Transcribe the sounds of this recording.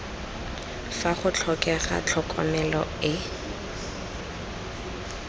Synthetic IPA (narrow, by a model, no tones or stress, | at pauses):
faχʊt͡ɬʰɔkʼɛχa̰t͡ɬʰɔkʼɔ̰mɛlɔɪ